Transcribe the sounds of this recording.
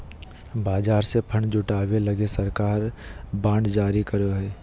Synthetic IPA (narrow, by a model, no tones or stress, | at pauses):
baːd͡ʒaːɾsepʰəɳd͡ʒʊʈaːwelɐɡesɐɾkaːɾbãːɳɖd͡ʒaːɾikəɾoɦɛː